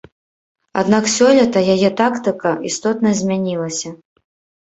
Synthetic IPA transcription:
a̰d̪naksʲɔlʲɐt̪ɐjajɛt̪akt̪ɨkɐist̪ɔt̪nɐzʲmʲanʲilˠɐsʲɐ

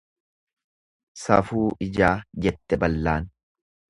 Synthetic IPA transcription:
sɐ̰fuːɪd͡ʒaːd͡ʒɛt̪ːɛbɐlːaːn

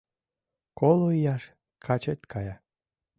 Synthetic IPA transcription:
koloijɑʃ | kʰɑt͡ɕet̪ʲkʰɑjɑ

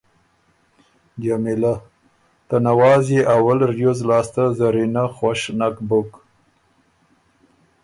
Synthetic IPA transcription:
d͡ʒamɪla | t̪anawɑzjeʔawalɾjozlɑst̪azaɾinaxwaʃnakbʊk

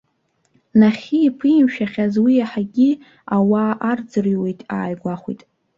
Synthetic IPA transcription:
naχʲiːpʰɨmʃᶣaχʲazwijaħaɡʲi | awaːʔard͡zɨriwe̞jtʼa̰ːjɡʷaχʷijtʼ

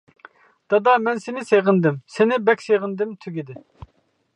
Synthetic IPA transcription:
d̪̥ɑd̪ɑmɛnsɪnɪseʁɪnd̪ɪmsɪnɪbɛkʲseʁɪnd̪ɪmt̪ʰyɡʲid̪ɪ

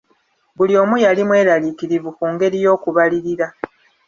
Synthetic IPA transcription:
bulio̞ːmujalimwe̞ːɾalikiɾivukuːŋɡe̞ɾijo̞ːkuβaliɾiɾa

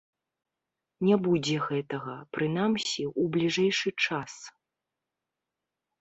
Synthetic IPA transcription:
nʲɛbud͡zʲɛɣɛt̪ɐɣɐpɾɨnamsʲiʔublʲiʐɛjʂɨt͡ʂas

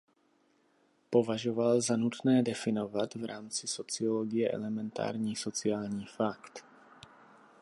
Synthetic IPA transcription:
povaʒovalzanut̪nɛːdɛfɪnovat̪vɾaːmt͡sɪsot͡sɪoloɡɪjɛʔɛ̰lɛmɛnt̪a̰ːɾɲiːsot͡sɪaːlɲiːfakt̪

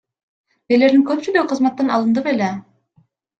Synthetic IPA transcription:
ele̞ɾd̪iŋkøp̚t͡ʃyd̪øqʰɯzmat̪ːɑnɑ̰lˠɯnd̪ɯpele

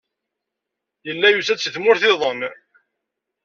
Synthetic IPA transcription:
jəlːæjusæt͡sːəθmʊɾθɪðˤən

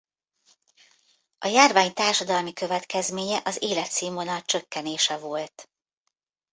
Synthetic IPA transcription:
ʔɒjaːrvaːɲt̪aːrʃɒd̪ɒlmikøvɛt̪kɛzmeːɲɛʔɒzeːlɛt̪siːmonɒlt͡ʃø̞kːɛneːʃɛvo̞lt̪

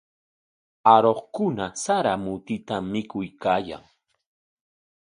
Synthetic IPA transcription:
aɾoχkʊnasaɾamʊt̪ɪt̪amːɪkʊjkaːja̰ŋ

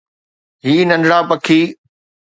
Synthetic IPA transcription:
ɦiːnɐ̃nɖɽaːpɐkʰiː

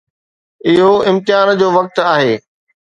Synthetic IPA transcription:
ɪɦoɪ̃mt̪ɪɦaːnd͡ʑoːʋɐk̚t̪aːɦeː

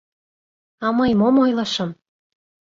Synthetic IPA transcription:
ɑmɤjmomojlɤʃɤ̆m

